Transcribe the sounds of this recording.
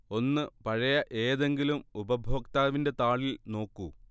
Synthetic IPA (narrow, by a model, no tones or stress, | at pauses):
o̞nːɨpɐɻɐjɐʔe̞ːðe̞ŋɡilumubɐbʱo̞ːkt̪aːʋinde̞t̪aːɭilno̞ːkːu